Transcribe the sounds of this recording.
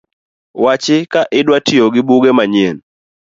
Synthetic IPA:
wat͡ʃɪkaʔɪdwatɪoɡɪbuɡemaɲen

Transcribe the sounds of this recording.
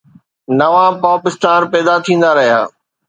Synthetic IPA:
nɐʋãpaːpɪst̪aːnpɛːd̪at̪ʰĩːn̆d̪aɾɐɦija̰ː

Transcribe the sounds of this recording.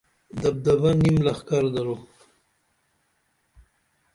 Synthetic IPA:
d̪ab̚d̪abanimlaxkaɾd̪aɾo

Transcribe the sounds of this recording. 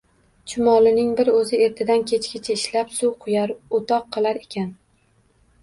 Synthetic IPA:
t͡ʃʰʊmɒlˠɪnɪŋbɪɾɵzɪe̞ɾt̪ʰɪd̪ankʲʰe̞t͡ʃkʲɪt͡ʃʰaɪʃlapsuwqʰʊjaɾot̪ʰɒqʰːɨlˠaɾe̞kʲʰan

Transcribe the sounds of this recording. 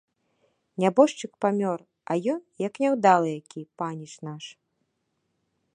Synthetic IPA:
nʲabɔʂt͡ʂɨkpamʲɔr | ɐjɔnjɐknʲawd̪alˠɨjakʲipanʲiʂnaʂ

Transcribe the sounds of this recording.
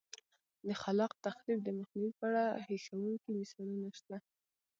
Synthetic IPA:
d̪əxalɑqt̪axlib̚d̪əmaxniwipəaɽaheʃawuŋkimɪsɑlunaʃt̪a

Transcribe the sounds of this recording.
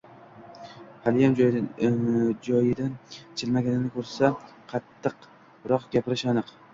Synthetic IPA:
halɪjam | d͡ʒɒjɪd̪ant͡ʃʰɪlmaɡʲanɪnɪkʰɵɾsaqʰɑt̪ʰːɨq | ɾɒqɡʲapʰɪɾɪʃanɨq

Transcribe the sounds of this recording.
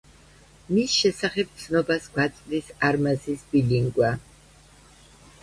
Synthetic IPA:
misʃɛsaχɛb̚t̪sʰnɔbasɡwat̪sʼd̪isaɾmazisbiliŋɡwa

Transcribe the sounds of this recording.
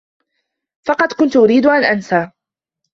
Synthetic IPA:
fɑqɑd̪kʊnt̪ʊʔʊɾiːd̪ʊʔanʔansaː

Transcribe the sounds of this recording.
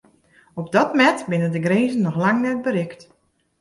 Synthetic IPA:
ɔp̚dɔtmɛtbɪnəndəɡreːzən̩ːɔxlaŋnɛt̚bəɾɪkt

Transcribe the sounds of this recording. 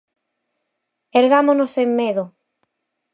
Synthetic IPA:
eɾɣamonosemːeðʊ

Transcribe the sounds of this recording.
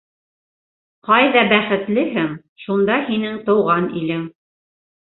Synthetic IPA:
qɑjðɑbæχɘ̆t̪lɘɦɘŋ | ʃund̪ɑhinɘŋt̪ɤ̆wʁɑnḭlɘŋ

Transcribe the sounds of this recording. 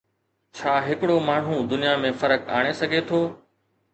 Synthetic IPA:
t͡ɕʰaːɦɪkɽoːmaːɳ̤ɦũd̪ʊnijamẽːfɐɾəka̰ːɽ̃esɐɡʱet̪ʰoː

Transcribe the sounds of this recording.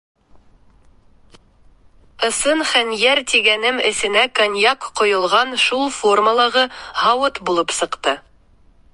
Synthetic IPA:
ɤ̆sɤnχænjæɾt̪iɡænɘmɘ̆sɘ̆nækonjɑqqŏjŏlˠʁɑnʃulˠfo̞rməlˠɑʁɤhɑwɤt̪bulˠɤpsɤ̆qt̪ɤ

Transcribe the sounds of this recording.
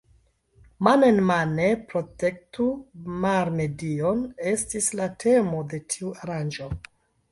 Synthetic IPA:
manenmanepɾo̞te̞k̚tumaɾme̞dione̞stislatʰe̞mo̞de̞tʰiuaɾand͡ʒo̞

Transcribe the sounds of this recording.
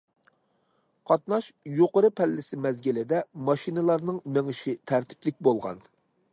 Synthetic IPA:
qʰɑt̪nɑʃjoqəɾɨpʰɛlːɪsɪmɛzɡʲɪlɪd̪ɛmɑʃinɨlˠɑɾnɨŋmeŋɪʃɪt̪ʰæɾt̪ʰɪ̥plɪk̚ʲbolˠʁɑ̰n

